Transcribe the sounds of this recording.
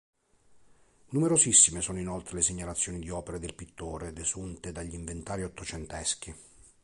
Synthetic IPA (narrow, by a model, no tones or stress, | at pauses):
numeɾozisːimesɔːnoinɔlt̪ɾeleseɲːalat̪sːjoːnid̪iɔːpeɾed̪elpit̪ːoːɾed̪ezunt̪ed̪aʎːiɱvent̪aːɾiɔt̪ːot͡ʃɛnt̪ɛsk̟i